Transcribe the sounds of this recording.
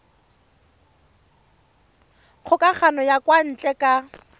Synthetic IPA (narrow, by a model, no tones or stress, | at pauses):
q͡χʰʊkaχanɔjakwan̩t͡ɬʼɛkʼa